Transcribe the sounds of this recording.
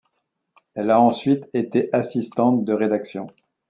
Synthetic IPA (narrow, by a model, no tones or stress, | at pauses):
ɛlaɑ̃sɥit̪et̪eʔasist̪ɑ̃t̪̚d̪əʁed̪aksjɔ̰̃